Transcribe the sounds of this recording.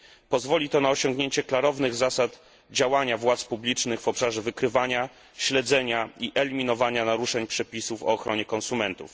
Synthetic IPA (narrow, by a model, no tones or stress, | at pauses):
pɔzvɔlʲit̪ɔnaɔɕɔŋɡɲeɲt͡ɕɛklaɾɔvnɘɣzasat̪ | d͡ʑawaɲavwat̪spublʲit͡ʂnɘɣvɔpʂaʐɛvɘkɾɘvaɲa | ɕlɛd̪zɛɲaiʔɛlʲimʲinɔvaɲanaɾuʂɛɲpʂɛpʲisufɔ̰ːxɾɔɲɛkɔnsumɛnt̪ṵf